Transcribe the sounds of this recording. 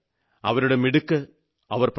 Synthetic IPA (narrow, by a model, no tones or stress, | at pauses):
ɐʋɐɾuɽe̞miɽukːɨ | ɐʋɐrp